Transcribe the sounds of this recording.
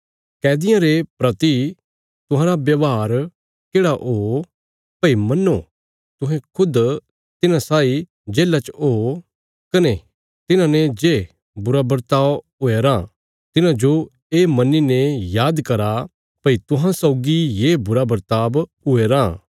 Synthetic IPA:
kɛːd̪ɪjãɾepɾɐt̪i | t̪ʊ̃ɦãːɾabjɐʋɦaːɾ | keːɽaʔo | pɐimɐnːo | t̪ʊɦẽkʰʊd̪ | t̪ɪnãsaːi | d͡ʒeːlat͡ʃoː | kɐne | t̪ɪnãned͡ʒeː | bʊɾabɐɾt̪aːb | ʊeɾã | t̪ɪnãd͡ʒo | eːmɐnːinejaːd̪kɐɾa | pɐit̪ʊ̃ɦãsɔʊɡijebʊɾabɐɾt̪aːb | ʊeɾãː

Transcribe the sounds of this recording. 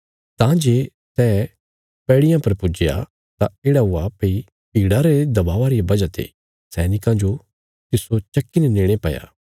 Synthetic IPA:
t̪ãd͡ʒeː | sɛː | pɛːɽɪjãpɐɾpʊd͡ʒɪja̰ | t̪ãeːɽaɦʊapei | piːɽaɾed̪ɐbaːʋaɾiabɐd͡ʒat̪ʰḛː | sɛːnɪkãd͡ʒo | t̪ɪsot͡ʃɐkːinɛneːɽ̃epɐ̰ja̰ː

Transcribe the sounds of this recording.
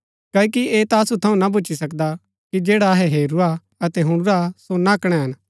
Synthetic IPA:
kɐːkieːt̪aɐsut̪ʰɐũnabʊːt͡ʃisɐkd̪a | kid͡ʒeːɽaɦɛɦeːɾuɾa | ɐt̪ɛɦʊ̃ɽ̃ʊɾasonaɐkɽ̃ɛɦɐn

